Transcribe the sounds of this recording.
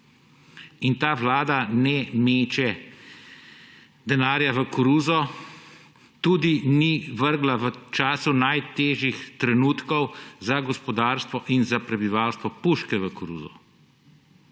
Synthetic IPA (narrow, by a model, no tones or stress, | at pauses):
int̪aːʋlaːd̪anɛmeːt͡ʃɛ | d̪ɛnaːɾjaʋəkuɾuːzɔ | t̪uːd̪iniʋəɾɡlaʋət͡ʃaːsunajt̪eːʒjixt̪ɾɛnuːt̪kɔwzaɡɔspɔd̪aːɾst̪ʋɔʔinzapɾɛbiʋawst̪ʋɔpuʃkɛʋəkuɾṵːzɔ̰